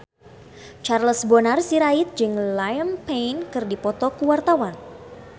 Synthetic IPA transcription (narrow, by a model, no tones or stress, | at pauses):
t͡ʃarləsbɔnarsiɾait̪̚d͡ʒɨŋlajəmpejnkɨrdipɔt̪ɔkuwart̪awan